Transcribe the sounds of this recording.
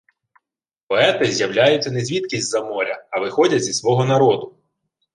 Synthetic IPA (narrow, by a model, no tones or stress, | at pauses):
pɔɛt̪ɪzʲjɐwlʲajʊt͡sʲːɐnezʲʋʲit̪kʲisʲtʲzɐmɔɾʲɐɐʋɪxɔdʲɐtʲzʲisʋɔɦɔnɐɾɔd̪ʊ